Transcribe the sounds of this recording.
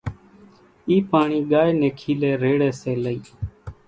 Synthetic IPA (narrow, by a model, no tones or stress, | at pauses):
iːpaːɳiːɠaːjnẽːkʰiːlɛːɾeːɽɛːseːləiː